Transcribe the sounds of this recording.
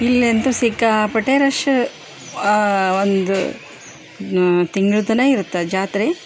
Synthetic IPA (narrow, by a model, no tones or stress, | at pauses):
ilːent̪usikapɐʈeːɾɐʂ | ond̪ṵ | t̪iŋɡɭud̪ɐnɐiɾut̪ːed͡ʒaːt̪ɾe